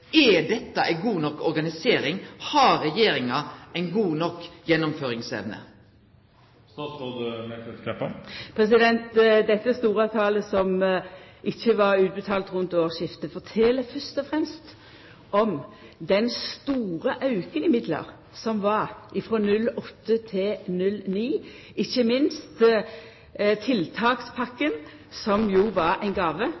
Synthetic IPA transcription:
ɛd̪ɛt̪ːɑʔæɪɡuːnɔkːɔɾɡɑnɪseːɾɪŋhɑɾɛjeːɾɪŋɑʔɛɪnɡuːnɔkːjɛnːʊmføːɾɪŋsɛ̰ʋnə̰ | st̪ɑsod̪mɛt̪ət̪kʰɛpːəpʰɾɛs̬ɪd̪ɛnt̪d̪ɛt̪ːəst̪uːɾɑʋt̪ʰɑːləsɔm | ɪçːəʋɑʁʉːt̪̚bət̪ʰɑːlt̪ʁʉnt̪oːʁʃɪft̪əfɔt̪ʰɛlːəfœʁst̪ɔfɾɛmst̪ | ʔɔmd̪ɛnst̪uːɾəʔɑʉkənɪmɪd̪lə̰ʁ | sɔmʋɑɾʔɪfʁoːnʉlːɔt̪ːət̪ʰɪnʉlniː | ɪçːəmɪnst̪ | t̪ʰɪlt̪ʰɑːkspʰɑkːən | sɔmjuːʋɑɾæɪnɡɑːʋə

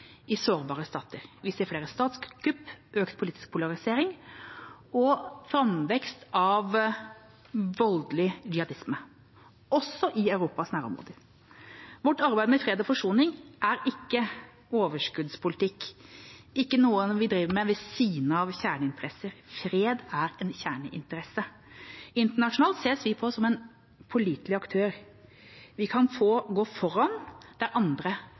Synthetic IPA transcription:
ɪsoːɾbɑːɾəst̪ɑːt̪əɾʋɪseːfleːɾəst̪ɑːt̪sɡʉpːʔøːkt̪̚pʰʊliːt̪ɪ̥sk̚pʰʊlɑɾɪseːɾɪŋ | ɔfɾɑmʋɛkst̪ɑʋ | ʋɔld̪lɪd͡ʒɪɑd̪ɪsmə | ʔɔsːɔʔɪɑʉɾuːpɑsnæːɾɔ̰mɾo̰ːd̪ə | ʋɔʈːɑɾbæɪd̪əmɛfɾeːd̪ɔfɔʂuːnɪŋʔæɾɪkːə | oːʋəʂkʉd̪spʰʊlɪt̪ɪkː | ɪkːənuːənʋɪd̪ɾiːʋəmɛʋɛsiːnəɑʋçæːɳəɪnt̪əɾɛsəɾfɾeːd̪æɾɛnçæːɳəʔɪ̰nt̪əɾɛsə | ɪnt̪əɳɑʂʊnɑːlt̪seːsʋɪpʰɔsɔmɛn | pʰʊliːt̪lɪɑkt̪ʰøːɾ | ʋɪkʰɑnfoːɡoːfɔɾɑnd̪æɾʔɑnd̪ɾə

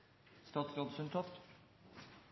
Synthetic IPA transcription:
st̪ɑːt̪sɾoːd̪sʉnt̪ʰɔft̪

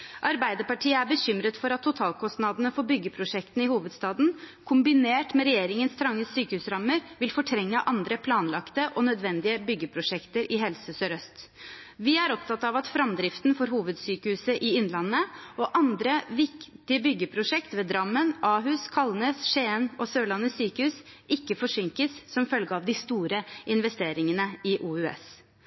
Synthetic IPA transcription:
ʔɑɾbæɪd̪əɾpɑʈʰiːəæɾbəɕʏmɾət̪fɔɾɑt̪ʰːʊt̪ʰɑːlkʰɔst̪nɑd̪ənəfɔbʏɡːəpʰɾʊʂɛkt̪n̩ɪhuːʋəd̪st̪ɑːd̪n̩ | kʰʊmbɪneːʈmɛɾɛjeːɾɪŋənst̪ʰɾɑŋːəsyːkəhʉːsɾɑmːəɾʋɪlfɔʈʰɾɛŋːəʔɑnd̪ɾəpʰlɑːnlɑkt̪əʔɔnœd̪ʋɛnd̪ɪəbʏɡːəpʰɾʊʂɛkt̪əɾʔɪɦɛlsəsøɾœst̪ | ʋɪæɾɔpt̪ʰɑt̪ːɑʋɑt̪fɾɑmd̪ɾɪft̪nfɔɾɦuːʋəd̪syːkəhʉːsəʔɪɪnlɑnːəɔʔɑnd̪ɾəʋɪkt̪ɪəbʏɡːəpʰɾʊʂɛkt̪ʋeːd̪ɾɑmːənʔɑːɦʉːskʰɑlneːsʂeːnɔsøːɭɑnːəsyːkəhʉːsʔɪkːəfɔʂʏŋkəssɔmfœlɡəɑʋd̪ɪst̪uːɾəʔɪnʋɛst̪eːɾɪŋənəɪʔuːʉɛ̰s

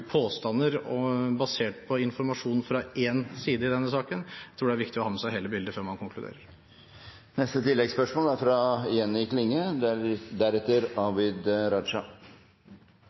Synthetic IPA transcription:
pʰoːst̪ɑnːəɾɔbɑseːʈpʰɔɪnfɔɾmɑʂuːnfɾɑʔeːnsiːd̪əɪd̪ɛnːəsɑːkənt̪ʰɾuːɖɛæɾʋɪkt̪ɪɔhɑːməsæɪɦeːləbɪld̪əføːɾmɑnkʊŋkʰlʉd̪ḛːɾəɾ | nɛst̪ət̪ʰɪlːɛɡspœʂmoːlæɾfɾɑɛnːɪkʰlɪŋːə | d̪æɾɛt̪ːəɾɑʋɪd̪ɾɑʂɑ

